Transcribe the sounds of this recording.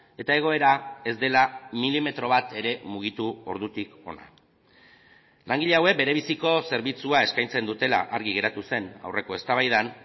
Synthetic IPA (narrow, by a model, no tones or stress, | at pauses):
e̞t̪ae̞ɣ̞o̞e̞ɾae̞zd̪e̞lamilime̞t̪ɾo̞βat̪e̞ɾe̞muɣ̞it̪uo̞̰ɾðut̪iko̞̰na̰ | laŋɡiʎeawek̚beɾe̞β̞isiko̞se̞ɾβit͡suae̞skajnt͡se̞nd̪ut̪e̞la̰ʔaɾɣiɣe̞ɾat̪use̞na̰wre̞ko̞e̞st̪aβajðan